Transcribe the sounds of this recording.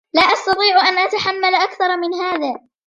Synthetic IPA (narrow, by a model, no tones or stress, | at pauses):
laːʔɑst̪ɑt̪ˤiːʕʔanʔat̪aħamːalʔakθɑɾˤmɪnɦaːðaː